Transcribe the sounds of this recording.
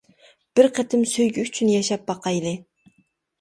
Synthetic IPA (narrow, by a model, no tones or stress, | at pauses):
b̥ɪɾqʰɛt̪ʰɪmsøjɡʲɪyt͡ʃʰynjɛʃɑp̚bɑqʰɑjlˠɨ